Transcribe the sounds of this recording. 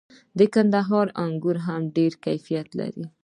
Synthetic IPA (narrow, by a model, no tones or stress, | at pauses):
d̪əkand̪aɦɑɾaŋɡuɾɦamɖeɾkajfijat̪la̰ɾi